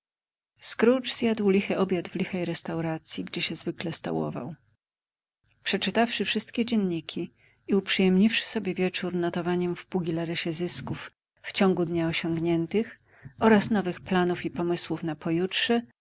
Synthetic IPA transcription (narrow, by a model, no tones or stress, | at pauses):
skɾud͡ʐz̥jad̪wlʲixɛʔɔbʲjad̪vlʲixɛjɾɛst̪awɾat̪sʲjiɡd͡ʑɛɕɛzvɘklɛst̪a̰wɔ̰va̰w | pʂɛt͡ʂɘt̪afʂɘfʂɘst̪kʲɛd͡ʑɛnɲikʲʰi | iupʂɘjɛmɲifʂɘ̥sɔbʲjɛvʲjɛt͡ʂuɾnɔt̪ɔvaɲɛmvpuɡʲilaɾɛɕɛzɘskufː | t͡ɕɔ̃ŋɡud̪ɲaɔɕɔŋɡɲɛnt̪ɘx | ɔɾasnɔvɘxplanufipɔmɘswufnapɔjutʂɛ